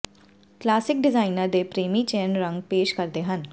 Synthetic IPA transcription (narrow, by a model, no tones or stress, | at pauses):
klaːsɪk̚ɖɪzaːɪnəɾd̪epɾeːmit͡ʃeːnɾə̃ŋɡpeːʃkəɾd̪eːɦən